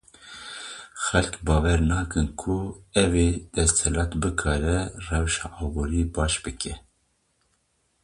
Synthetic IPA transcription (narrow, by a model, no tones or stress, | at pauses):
xɛlkbɑːwɛɾnɑːkɨnkʰuɛveːd̪̥ɛst̪ɛlɑːt̪bɨkʰɑːɾɛrɛwʃɑ̰ːʔɑːbuːɾibɑːʃbɨkʰɛ